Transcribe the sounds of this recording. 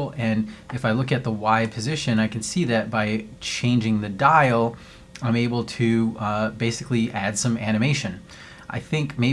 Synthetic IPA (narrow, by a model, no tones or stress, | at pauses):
ɨ̃nɨfaɪlʊkɨt̪̚ðəwaɪd̚pʰɨzɪʃɨ̃naɪkn̩siðɨt̚b̥aɪt͡ʃʰẽɪ̃nd͡ʒɪ̃ŋðɨdaɪlˠ | ãɪ̃meɪbl̩ˠtʰɨbeɪsɨkliʔæd̥sʌ̃mæñɨmeɪʃɨ̃n | ʔa̰ɪθɪ̃ŋkmeɪ